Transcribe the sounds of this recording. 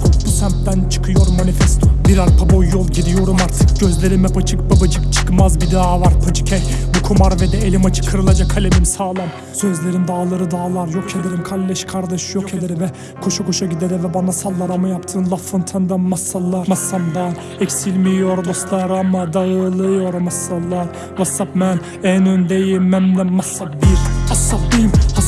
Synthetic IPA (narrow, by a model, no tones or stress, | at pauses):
busæmt̪d̪ænt͡ʃʰɯ̥kʰɯjo̞ɾmːanifɛst̪ʰobiɾaɾpʰabojːolˠɟid̪ijo̞ɾumaɾt̪ʰɯ̥k̚ɟøzlʲeɾimɛbat͡ʃʰɯk̚bibɯt͡ʃʰɯk̚t͡ʃʰɯ̥kmazbid̪aavaɾpʰad͡ʒɯcʰɛjbukʰumaɾvɛd̪ɛelʲimat͡ʃʰɯ̥kʰːɯɾɯlˠad͡ʒakʰalʲemimsaːlˠam | sø̞zlʲe̞ɾind̪aːlˠaɾɯd̪aːlˠaɾjokʰed̪eɾimkʰalʲːɛʃkʰaɾd̪aʃɯjokʰed̪eɾivɛ | kʰoʃakʰo̞ʃaɟʲid̪eɾɛvɛbanasalˠːaɾamɯjapt̪ʰɯːnlˠafɯnt̪ʰɯnd̪anmasːalˠːaɾmasamd̪an | ɛkʲsilʲmijoɾd̪oslˠaɾamad̪ajɯlˠɯjoɾmasːalˠːaɾ | vasːapmɛn | ɛnønd̪ɛjɛmːɛmlɛmmasːap̚biɾhasːap̚d̪imha